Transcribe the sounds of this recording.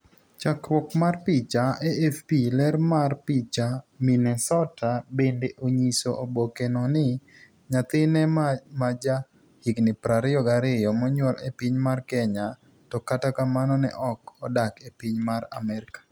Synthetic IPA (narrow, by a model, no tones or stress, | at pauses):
t͡ʃakɾwɔkmarpɪt͡ʃaeɛfpilɛrmarpit͡ʃaminɛsɔtʰabendeʔoɲisoʔobokenɔnɪ | ɲat̪ɪnɛmad͡ʒa | hiknɪpɾaɾɪɔɡaɾɪjɔmɔɲwɔlepiɲmarkɛɲa | tɔkatakamanɔnɛ̰ʔɔkɔdakepiɲmara̰mɛɾɪkḁ